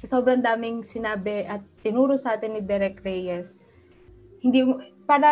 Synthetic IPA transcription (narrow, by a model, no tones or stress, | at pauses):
sɐsoːbɾɐnd̪aːmɪŋsɪnaːbɛʔɐt̪̚ːɪnuːɾosɐʔaːt̪ɪnːɪd̪ɛɾɛkɾɛjɛs | hɪnd̪iːpaːɾɐ